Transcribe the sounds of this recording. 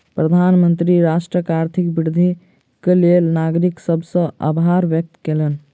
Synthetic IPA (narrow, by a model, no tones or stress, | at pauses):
pɾəd̪ʱanmənt̪ɾiɾaʃʈɾəkaɾt̪ʰikbiɾd̪ʱi | kelelnaɡɾiksəbʱsə̃a̰bʱaɾʋjək̚t̪kelən